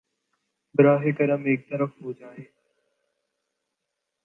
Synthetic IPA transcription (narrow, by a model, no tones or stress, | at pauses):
bɾaːɦeːkəɾəmeːk̚t̪əɾəfɦoːd͡ʒaːɦeː